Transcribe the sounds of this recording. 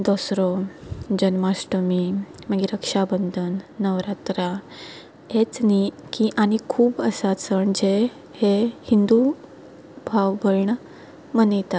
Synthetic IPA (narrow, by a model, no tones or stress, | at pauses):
d̪ɔsɾɔd͡ʑənmasʈəmi | məɡiɾəkʂabənd̪ʱənːəʋɾat̪ɾa | et͡snikiʔaɽ̃ikʰuːbəsat͡səɳd͡ʑe | hehind̪u | bʱaʋbəɭɳə | mənəjt̪a